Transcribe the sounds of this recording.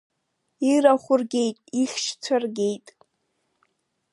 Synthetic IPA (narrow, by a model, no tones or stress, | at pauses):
iɾaχʷʊrɡʲe̞jtʼiχʲʃt͡sʷʰarɡʲejtʼ